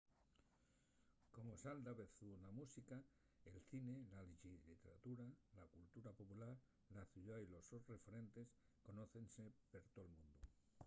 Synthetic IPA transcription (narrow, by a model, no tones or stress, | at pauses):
ko̞mosald̪aβeθunamusika | elθine̞laliʃiit̪eɾa̰t̪uɾalakult̪uɾapopulaɾ | laθuʎailosore̞feɾe̞nt̪e̞sko̞noθensepeɾt̪olmũnd̪u